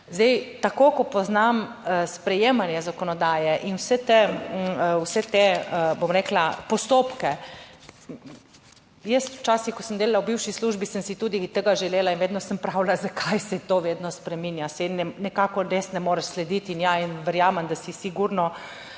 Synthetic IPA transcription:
zd̪ɛjt̪akoːkɔpɔznamspɾɛjeːmanjɛzakɔnɔd̪aːjɛʔinwsɛt̪e | wsɛt̪ebomɾeklapɔst̪oːpkɛ | jəst̪wt͡ʃaːsixkɔsəmd̪eːlalawbiwʃisluːʒbisəmsit̪uːd̪it̪əɡaʒɛleːlainʋeːd̪nɔsəmpɾawlazakʰajsɛt̪oʋeːd̪nɔspɾɛminjasɛinːɛnɛkaːkɔɾesnɛmoːɾɛʃslɛd̪it̪injainʋɛɾjaːmɛmd̪asisiɡuɾnɔ

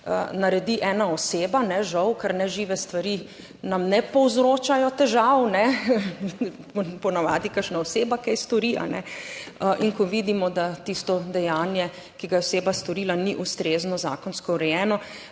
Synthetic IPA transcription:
ə̰naɾɛd̪iʔɛːnaɔseːbanɛʒɐwkaɾnɛʒiːʋɛst̪ʋaɾi | namnɛpɔwzɾoːt͡ʃajɔt̪ɛʒawnɛ | ppɔnaʋa̰ːd̪ikəɾʃnaɔseːbakɛjst̪ɔɾiʔa̰nɛ̰əʔiŋkɔʋid̪imɔd̪at̪ist̪ɔd̪ɛjanjɛ | kiɡajɛɔseːbast̪ɔɾiːlaniʔust̪ɾeːznɔza̰ːkɔnskɔwɾɛjɛːnɔ

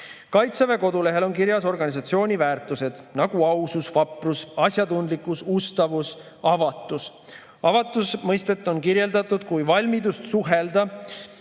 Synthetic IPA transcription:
kɑjt̪seve̞ko̞d̪̥ule̞ɦe̞lo̞nkiɾjɑso̞rɡɑnʲisɑt̪sio̞ːnʲivæːrt̪ːˑuse̞d̪̥nɑɡ̥uɑususvɑprusɑsʲjɑd̪und̪likːˑusust̪ɑvus | ɑvɑt̪ːˑus | ɑvɑt̪ːˑusmɤjst̪et̪ːˑo̞nkiɾje̞ld̪ɑt̪ːˑud̪̥kujvɑlʲmid̪ust̪suɦeld̪ɑ

